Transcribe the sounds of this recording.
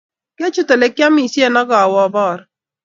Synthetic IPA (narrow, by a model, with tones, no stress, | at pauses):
kɛ˦t͡ʃʊ˦to˨le˨kja˦mi˨sjɛ˦nɔ˦ɡɔ˨a˨wɔ˦˨bɔː˦˨ɾ